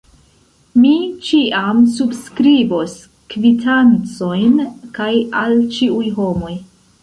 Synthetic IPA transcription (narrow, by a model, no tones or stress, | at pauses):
mit͡ʃiʔamsubskɾibo̞s | kvitʰant͡so̞jnkajalt͡ʃiujɦo̞mo̞j